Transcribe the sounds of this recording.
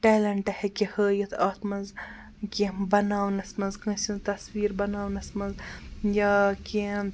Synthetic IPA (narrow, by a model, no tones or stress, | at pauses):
ʈeːlɐɳʈɐhekʲihəːjɐt̪ʰɐːt̪ʰmɐnz | kʲĩbɐnaːwnɐsmɐzkə̃sĩnt̪ɐsʋiːɾbɐnaːwnɐsmɐnzjaki